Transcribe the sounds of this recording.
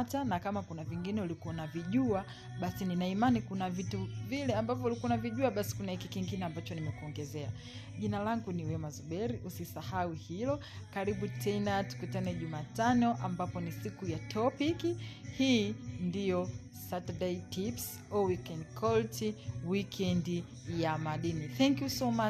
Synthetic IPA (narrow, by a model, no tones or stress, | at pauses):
tanakamakunaviŋɡinɛulikuwanaviʄua | ɓasininaimanikunavituvilɛambavjɔulikuanaviʄuaɓasi̥kunahikikiŋɡinɛambat͡ʃɔnimɛkuɔŋɡɛzɛa | ʄinalaŋɡuniwɛmazuɓɛɾiʔusisahauhilɔ | kaɾiɓutʰɛnatu̥kutanɛʄumaːtanɔʔambapɔnisikujatʰɔpikhiːndijɔ | sataɗɛitips | ɔwikɛndkʰɔltiwikʰɛndi | jamaɗiniθɛŋkjusɔma